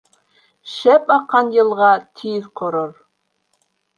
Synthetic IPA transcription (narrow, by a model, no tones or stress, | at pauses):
ʃæpɑqːɑnjɤ̆lˠʁɑt̪ʰiðqʰŏɾoɾ